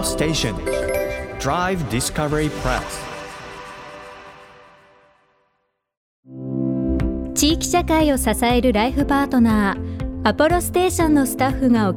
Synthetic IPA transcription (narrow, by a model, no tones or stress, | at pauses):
steɪʃə̃n | d̥ɹaɪvdɪskʌvɛɹipʰɹ̥ɛ̰s | t͡ɕiːkʲi̥ɕakaio̞sasae̞ɾɯ̟ɾaiɸɯ̟paːt̪o̞naːapɯɾo̞sɨ̥t̪e̞ːɕõ̞nːosɨ̥t̪aɸːɯ̟ŋao